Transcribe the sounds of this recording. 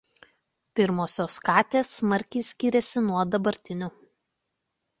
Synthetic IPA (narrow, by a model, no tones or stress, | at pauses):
pʲɪɾmoːsʲoːskɑːt̪ʲeːsːmɐɾʲkʲɛɪsʲkʲɪɾʲɛsʲɪnuɔd̪ɐbɐɾʲt̪ʲɪnʲʊ